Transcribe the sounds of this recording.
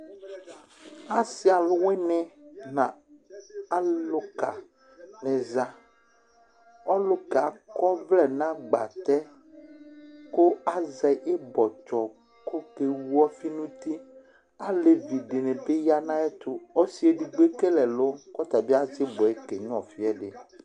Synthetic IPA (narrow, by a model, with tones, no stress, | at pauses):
a˨sɪ˦a˨lʊ˦we˦nɛ̃˦nã˨ | a˦lʊ˦ka˨ | nɛ˨za˦ | ɔ˦lʊ˦ka˨kɔ˦vlɛ˨nã˦ɡ͡ba̰˨t̪ɛ˦ | ko˦a˦zɛ˨ʔe˦bɔ˨t͡ʃɔ˨ | ko˦ke˨wu˦ɔ˦fi˦nũ˦t̪i˦ | a˦le˨vi˨ɖe˨nɛ̃˨be˦ja˦nã˦ɛ˦t̪ʊ˦ɔ˦si˨˦e˨ɖi˨ɡ͡be˦ke˦lɛ˨lo˦kɔ˦t̪a˨bi˦a˦zɪ˦bɔ˨e˦ke˨nũ˦ɔ˨fi˦ɛ˦ɖe˨